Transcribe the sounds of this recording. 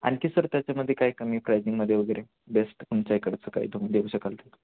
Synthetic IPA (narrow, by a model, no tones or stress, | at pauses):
a̰ñkiːsəɾt̪jat͡ɕjaməd̪ʱːjekaikəmiːpɾajzĩŋɡməd̪ʱːjeʋəɡəjɾe | besʈkuɳt͡ɕaekəɽt͡səːka̰ɦḭːd̪omd̪euɕəkalt̪ə